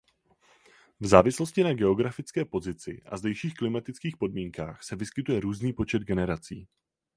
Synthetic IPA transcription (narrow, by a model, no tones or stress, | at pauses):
vzaːvɪslo̞scɪnaɡɛo̞ɡɾafɪt͡skɛːpo̞zɪt͡sɪ̰ʔa̰zdɛjʃiːxklɪmat̪ɪt͡skiːxpo̞dmiːŋka̰ːxsɛvɪskɪt̪ujɛɾuːzniːpo̞t͡ʃɛd̪ɡɛnɛɾat͡sḭː